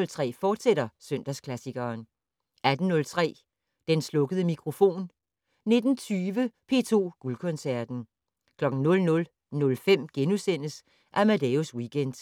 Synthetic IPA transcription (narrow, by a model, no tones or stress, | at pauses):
lt͡sʰʁɛ̰ːfɒːd̥seɾ̥ɐsøn̰d̥æskʰlæsiɡ̥ɐːn | æd̥n̩nɔ̽lt͡sʰʁɛ̰ː | d̥enslɔ̽ɡ̥əðˠəmikʰʁo̝fo̝̰ːn | ne̝d̥n̩t͡sʰyːʋəpʰe̝̰ːt͡sʰo̝̰ːɡ̥ulkʰɔ̽nsæɐ̰d̥n̩ | kʰlɒ̽ɡ̥n̩nɔ̽lnɔ̽l | nɔ̽lfem̰ɡ̥enusen̰əs | ʔæmæd̥eoswiɡ̥en̰d̥